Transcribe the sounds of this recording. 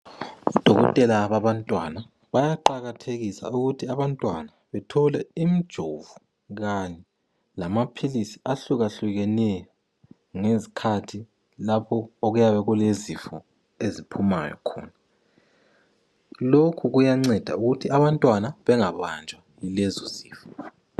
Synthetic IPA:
ud̥ʱɔɣɔ̰tʼɛlaβaβantʼwa̰na | βajaǃaɣatʰeɣisa̰uɣutʰiaβantʼwa̰naβɛtʰɔlɛim̩d̥ʒ̥ʱovu | ɣaɲɛ | lamapʰilisiaɬuɣaɬuɣɛnɛjɔ | ŋezikʰatʰi | lapʰɔoɣujaβɛɣulezifɔ | ezipʰuma̰jɔ̰kʰɔ̰ːna | lokʰuɣujaŋ͡ǀɛd̥ʱa̰uɣutʰiaβantʼwanaβɛŋaβand͡ʒʱwajilɛzozḭːfɔ

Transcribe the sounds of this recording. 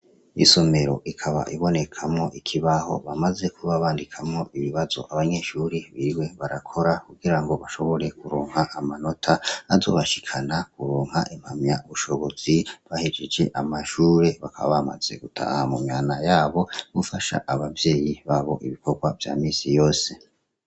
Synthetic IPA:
ḭso̞me̞ɾo̞̰ʔikʰaβa̰ʔiβo̞nekʰamŋo̞ʔikʰiβaho̞̰βamaze̞kʰuβaβaːndikʰamŋo̞ʔiβiβazo̞̰ʔaβaɲe̞ʃuːɾiβiɾiwe̞βaɾakʰo̞ɾakuɡiɾaŋɡo̞βaʃo̞βo̞ɾe̞kuɾoːŋhaʔamano̞tʰaːzo̞̰ːβaʃi̥kʰanakuɾoːŋ̥haʔim̥hamɲauβuʃo̞βo̞z̥iβahid͡ʒed͡ʒe̞ʔamaʃuːɾe̞βakʰaβa̰βama̰z̥e̞̰ɡ̥utʰa̰ːhamumjaːnajaːβo̞mufaʃa̰ʔaβavje̞ːjiβaːβo̞ʔiβiko̞ɡwavja̰ːmiːnsijo̞ːse̞

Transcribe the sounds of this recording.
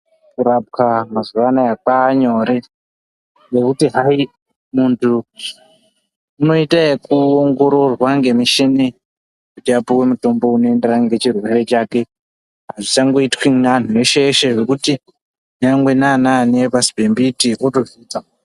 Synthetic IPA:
kuɾap̚kamazuʋanajak͡paːɲo̞ɾe̞ | je̞kutiɦai | muntʰu | no̞itaekuoŋɡo̞ɾo̞rwaŋɡe̞miʃini | kutiapuwemuto̞mbo̞uno̞e̞nderaŋɡe̞t͡ʃirwe̞ɾe̞t͡ʃaːke̞ | ɦaʐisaŋɡo̞itwinan̤ue̞ʃeːʃe̞ʐekuti | ɲaŋɡwenananepasibʱe̞mbitiʔoto̞viːd͡za

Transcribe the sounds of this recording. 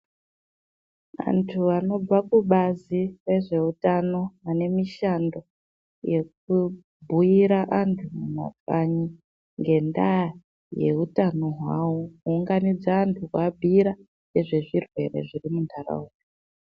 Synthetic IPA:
ʋa̰ntʰuano̞b͡vakuɓazire̞ʐe̞utano̞ane̞miʃando̞ | je̞k̚u | bʱujiɾaʔantʰumuma̰kaɲi | ŋɡe̞nda | je̞̰utano̞ɦwawokuːŋɡanid͡zaːntʰukwabʱiɾa | jeʐe̞ʐirwe̞̰re̞̰ʐirimundʱara̰uːdi

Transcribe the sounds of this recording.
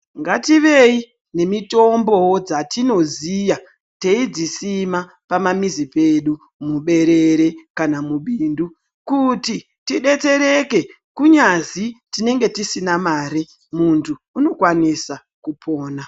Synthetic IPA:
ŋɡatiʋe̞i | ne̞mito̞mbo̞d͡zatino̞zija | teid͡zisima | pamamizipe̞ɗu | muɓe̞ɾe̞ɾe̞kanamuɓiːndu | kuti | tiɗe̞t͡se̞ɾe̞ke̞ | kuɲazitine̞ŋɡe̞tisinamaːɾi | muntʰuːno̞kwanisa | kupʰo̞ːna

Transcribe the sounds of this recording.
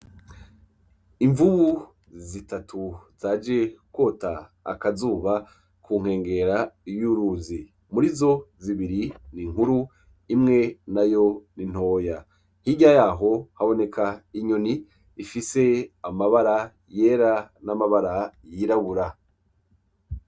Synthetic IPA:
iɱvuβu | zitatʰuz̥aːd͡ʒekwo̞ːta̰ːkazuːβa | kʰuːŋ̥he̞ːŋɡe̞ɾajuɾuːzi | muɾizo̞ziβiɾiniŋhuɾu | imŋe̞najo̞nin̥ho̞ːja | hiɟajaːɦo̞haβo̞ne̞kʰaiɲo̞niː | fise̞amaβaɾa | je̞ːɾanamaβaɾajiɾaβuɾa

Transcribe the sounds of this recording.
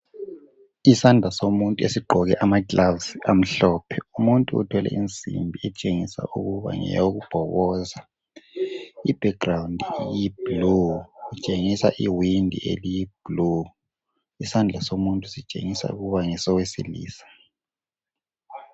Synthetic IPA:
isandʱd͡ɮʱasomuntʼesiɡ͡ǃʱɔɣɛʔamaɡlavsiam̩ɬɔːpʰɛumuntʼuṵtʰɛlɛ̰int͡sʼḭmbʱiɛt͡ʃʼeŋisa̰ʔuɣuβa̰ŋɛ̰joɣub̥ʱɔβɔza | ib̥ʱɛkrawundʱijib̥luɣut͡ʃʼeŋisa̰ʔiwindʱḭʔḛlijib̥lu | isand͡ɮʱasomuntʼusit͡ʃʼḛŋisa̰ṵɣuβaŋɛsɔwesḭlḭːsḁ

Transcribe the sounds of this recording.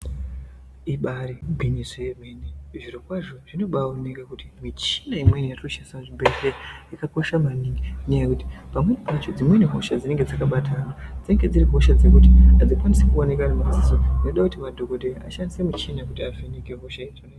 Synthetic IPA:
iɓaɾibʱinizeɓeneuʐirokwaʐo̞ʐ̥ino̞ɓaone̞kakutimit͡ʃinaimwenijatoʃansamuʐibʱeteaikako̞ʃamaniŋɡinejakuti̥pamwe̞nipat͡ʃo̞d͡zimwe̞niɦo̞ʃad͡zine̞ŋɡed͡zakaɓatʰanad͡zieŋɡe̞d͡ziɾiɦo̞ʃad͡zinekutiad͡zikwanisekuone̞kanamazisonoɗakutimadʱo̞ɡo̞dea̰ʃandisemit͡ʃinakutiaveneke̞ɦoʃaitone

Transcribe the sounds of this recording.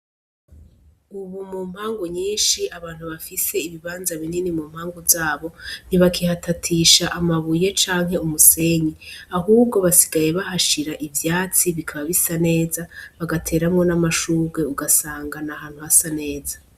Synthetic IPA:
uβumuːm̥haːŋɡuɲiːnʃiʔaβaːn̥huβafise̞iβiβaːnzaβininimuːm̥haːŋɡuzaːβo̞n̥iβakʰihatʰatʰiʃaʔamaβuje̞t͡ʃaːŋɦe̞umuse̞ɲiaɦuːbɡo̞βasi̥ɡaje̞βahaʃiɾaʔivjaːt͡siβikʰaβaβisane̞ːzaβaɡatʰe̞ːɾamŋo̞namaʃuːɡɡe̞uɡasaːŋɡanahaːn̥huhasane̞ːza

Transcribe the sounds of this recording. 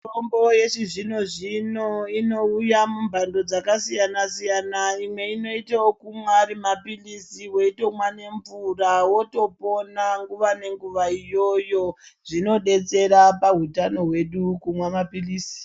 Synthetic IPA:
tomboje̞ʂiʐinoʐino̞ino̞ujamumbʱando̞d͡zakasijanasijanaimwe̞ino̞itawokumwarimapilisiwe̞ito̞mwane̞ɱvurawo̞to̞po̞naŋɡuʋane̞ŋɡuʋaijo̞jo̞ʐ̥ino̞ɗe̞t͡se̞ɾapaɦutano̞ɦwe̞ɗukumwamapiliːsi̥

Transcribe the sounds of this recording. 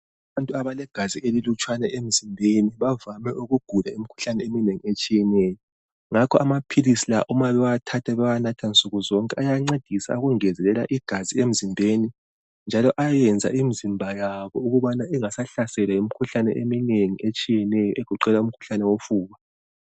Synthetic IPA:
aβantʼuaβalɛɡ̥ʱaziʔelilut͡ʃʼwanɛʔem̩zimbʱeniβavamɛʔuɣuɡ̥ʱulaimikʰu̥ɬanɛemineŋiet͡ʃʼijɛnɛːjɔ | ŋakʰɔamapʰilisilaʔumaβɛwatʰatʰɛβɛwanatʰansʼuɣuzɔŋkʼɛajaŋ͡ǀed̥ʱisa̰uɣuŋɛzɛlɛlaʔiɡ̥ʱaziem̩zimbʱeni | nd͡ʒʱalɔʔajɛnd͡zʱa̰ʔimizimbʱajaβɔuɣuβanaʔɛŋasaɬasɛlwaimikʰuɬanɛ̰ʔemineŋiʔet͡ʃʼijɛnɛjɔʔeɣ̥ʱuǃɛlaum̩kʰu̥ɬanɛwofuːβa

